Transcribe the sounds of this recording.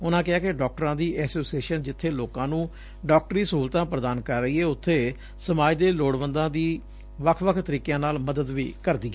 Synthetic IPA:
ʊnãːkɪaːkɪɖɔːk̚ʈəɾãːd̪iːʔɛːsoːsieːʃənd͡ʒɪt̪ʰːeːloːkãːnũː | ɖɔːk̚ʈɾiːsəɦuːlt̪ãːpɾəd̪aːnkəɾːəiːɛːʊt̪ʰːeː | səmaːd͡ʒd̪eːloːɽbənd̪ãːd̪iː | ʋəkʰʋəkʰt̪əɾiːkjãːnaːlməd̪əd̪ʋḭːkəɾd̪iːɡɛː

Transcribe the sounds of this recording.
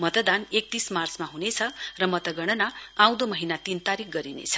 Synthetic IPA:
mʌt̪ʌd̪anek̚t̪ismart͡smaɦunet͡sʰʌrʌmʌt̪ʌɡʌɽ̃ʌnaãw̃d̪omʌɦinat̪int̪aɾik̚ɡʌɾinḛt͡sʰʌ̥

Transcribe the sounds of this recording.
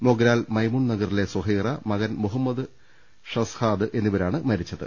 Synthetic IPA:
moɡɾaːlmɐjmuɳnɐɡɐrile̞swɐɦiːrɐmɐɣɐnmuɦɐmːɐd̪ɨ | ʂɐshaːd̪ɨʔe̞nːiʋɐɾaːɳɨmɐɾit͡ɕːɐðɨ̰

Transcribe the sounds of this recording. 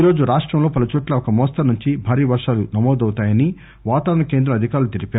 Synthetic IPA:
ɾo̞ːd͡ʒuɾaːʂʈɾɐmlo̞ːpɐlɐt͡ʃuːʈlɐɔkɐmɔːst̪ɐnuɲt͡ʃibʱaːɾiːʋɐɾʂaːlunɐmɔːd̪ɐwt̪aːjɐni | ʋaːt̪aːɾɐɳɐke̞ːnd̪ɾɐmɐd̪ʱikaːɾulut̪iɾipaː

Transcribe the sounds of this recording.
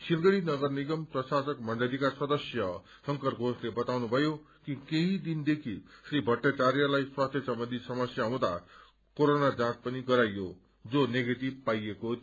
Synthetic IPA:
silɡʌɽinʌɡʌrniɡʌmprʌsasʌkmʌɳɖʌlikaswʌd̪ʌsjʌ | sʌŋkʌrɡʱoslebʌt̪awnubʱʌjo | kikeɦĩd̪ind̪ekʰisribʱʌʈːat͡saɾjʌlajswast̪ʰjesʌmbʌnd̪ʱisʌmʌsjaɦõd̪a̰ | koɾonad͡zãt͡spʌniɡʌɾajːo | d͡zoneɡeʈib̚pajeko

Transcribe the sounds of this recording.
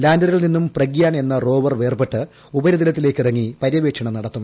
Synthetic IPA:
laːndɐɾɐɭninːumprɐɡijaːɳe̞nːɐro̞ːʋɐrʋe̞ːrpeʈːɨ | ubɐɾɐd̪̬ilɐt̪ːile̞ːkːirɐŋːipɐɾjɐʋeːʈʂɐɳɐmnɐɽɐt̪ːum

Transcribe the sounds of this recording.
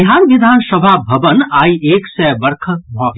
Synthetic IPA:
ɦaːɾʋɪd̪ʱaːnsəbʱabʱɐʋənaːiʔeːksɛʋəɾkʰəbʱɔ̃ː

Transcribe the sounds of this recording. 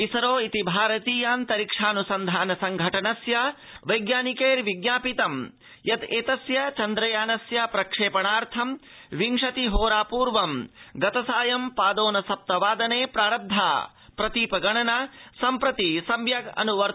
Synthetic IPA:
isɐɾoːit̪ibʱaːɾɐt̪iːjaːnt̪ɐɾikʂaːnusɐnd̪ʱaːnɐsɐŋɡʱɐʈɐnɐsjɐ | ʋɐjɡjaːnikeːɾʋiɡnaːpit̪ɐm | jɐt̪eːt̪ɐsjɐt͡ʃɐnd̪ɾɐjaːnɐsjɐpɾɐkʂeːpɐɳaːɾt̪ʰɐm | ʋiŋʂɐt̪iɦoːɾaːpuːɾʋɐmɡɐt̪ɐsaːjɐmpaːd̪oːnɐsɐp̚t̪ɐʋaːd̪ɐneːpɾaːɾɐb̚d̪ʱːa̰ː | pɾɐt̪iːpɐɡɐɳɐnɐsɐmpɾɐt̪isɐmʋjɐɡɐ̰nuʋɐɾ

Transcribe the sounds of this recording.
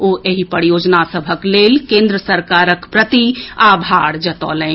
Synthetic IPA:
oʔeɦipəɾijoːd͡ʒnasəbʱəklelkẽnd̪ɾəsəɾkaɾəkpɾət̪iabʱaɾd͡ʒət̪ɔ̰ːlɛ̃

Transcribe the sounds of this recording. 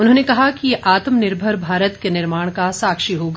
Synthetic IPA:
ʊnɦõːnekɐɦakijeʔaːt̪mnɪɾbʱəɾbʱaːɾət̪kenɪɾmaːɽ̃kasaːkʃiɦoːɡa

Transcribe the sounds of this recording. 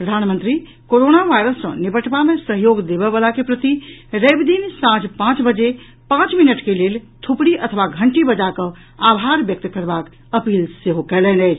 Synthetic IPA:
pɾəd̪ʱanmə̃nt̪ɾi | koɾonaʋajɾəsːə̰̃nibəʈbamesəɦjoɡd̪ebɛbəlakepɾət̪iɾebd̪insãd͡ʒpãt͡ʃbəd͡ʒe | pãt͡ʃminəʈkelelt̪ʰupɽiʔət̪ʰʋaɡʱəɳʈibəd͡ʒakə̃ | abʱaɾbjək̚t̪kəɾbak | əpilseɦokɛlɛnɛjt͡ʃʰ

